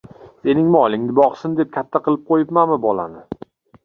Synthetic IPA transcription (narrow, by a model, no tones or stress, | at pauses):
se̞nɪŋmɪɒlˠɪŋnɪbɒqsɪnd̪ep̚kʲʰat̪ʰːaqʰɨlˠɪp̚qʰojɪpmamɪbɒla̰nɪ